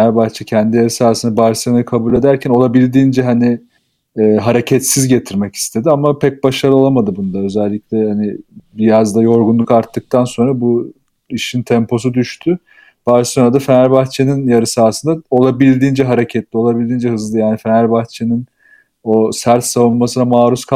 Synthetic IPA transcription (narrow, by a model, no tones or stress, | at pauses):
næɾbaxt͡ʃʰɛcʰænd̪ijaɾɯsaːɾsɯnd̪abaɾsjanɯjɯkʰabuːlʲe̞d̪æɾcʰæno̞lˠabilʲd̪iːnd͡ʒɛɦanɪː | ɦaɾe̞cʰɛt̪sizɟe̞t̪ʰiɾmɛci̥st̪ʰe̞d̪iamapʰɛc̚baʃaɾɯo̞lˠamad̪ɯbund̪aø̞zɛlʲːicʲlʲɛhanɪbijazd̪ajo̞ɾɡunlˠukaɾt̪ːɯk̚t̪ʰanso̞nɾabu | iʃint̪ʰɛmpʰo̞s̬ud̪yʃt̪ʰʏ | b̥aɾsonad̪afenæɾʲbaxt͡ʃʰeninjaɾɯsaːsɯnd̪ao̞lˠabilʲd̪iːnd͡ʒɛɦaɾe̞cʰɛt̪lʲio̞lˠabilʲd̪iːnd͡ʒɛɦɯzlɯjaːnifenæɾbaxt͡ʃʰenin | o̞sæɾt̪savunmasɯnamaːɾuskʰa